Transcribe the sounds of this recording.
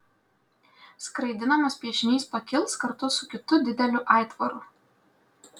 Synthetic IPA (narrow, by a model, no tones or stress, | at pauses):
skɾɐɪd̪ʲɪnɐmɐspʲiɛʃʲɪnʲiːspɐkʲɪlˠˑskɐɾt̪ʊsʊkʲɪt̪ʊd̪ʲɪd̪ʲɛlʲʊʔɑˑɪt̪ʋɔɾʊ